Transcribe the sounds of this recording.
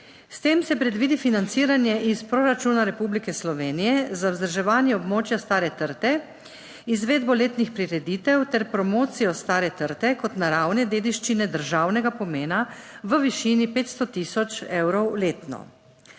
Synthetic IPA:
st̪eːmsɛpɾɛd̪ʋiːd̪ifinant̪siːɾanjɛʔispɾoːɾat͡ʃuːnaɾɛpublikɛslɔʋeːnijɛzawzd̪əɾʒɛʋaːnjɛɔbmoːt͡ʃjast̪aːɾɛt̪əɾt̪ɛ | izʋeːd̪bɔleːt̪nixpɾiɾɛd̪iːt̪ɛwt̪ɛɾpɾɔmoːt̪sijɔst̪aːɾɛt̪əɾt̪ɛkɔt̪naɾawnɛd̪eːd̪iʃt͡ʃinɛd̪əɾʒaːwnɛɡapɔmeːnaʋəʋiʃiːnipeːt̪st̪ɔt̪iːsɔt͡ʃewɾɔwleːt̪nɔ̰

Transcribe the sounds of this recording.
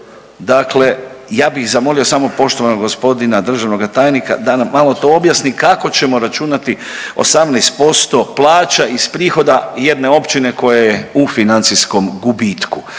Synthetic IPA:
d̪akle̞jaːbixzamo̞lio̞samo̞po̞ʃt̪o̞ʋanoɡɡo̞spo̞d̪inad̪r̩ʒaʋno̞ɡat̪aːjnika̰d̪anamːalo̞t̪o̞objasnikako̞t͡ɕe̞mo̞ɾat͡ʃunat̪i | o̞̰samnɛst̪̚po̞st̪o̞plˠaːt͡ʃaispɾiːxo̞d̪aje̞d̪ne̞o̞pt͡ɕine̞ko̞jajeufinant̪sisko̞mɡubit̪ku

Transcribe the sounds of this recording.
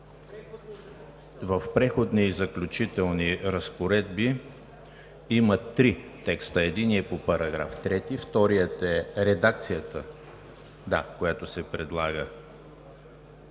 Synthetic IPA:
vəfpɾɛxod̪nizəklʲʊt͡ʃit̪ɛlˠniɾəspoɾɛd̪bi | imət̪ːɾit̪ɛkst̪əɛd̪iniɛpopɐɾɐɡɾa̰ft̪ɾɛt̪ift̪ɔɾijət̪ɛɾɛd̪ak̚t̪sijət̪ə | d̪akojat̪osɛpɾɛd̪lˠaɡə

